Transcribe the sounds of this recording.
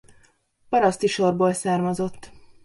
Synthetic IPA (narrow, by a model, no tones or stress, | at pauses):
pɒɾɒst̪iʃo̞rboːlsaːrmɒzo̞t̪ː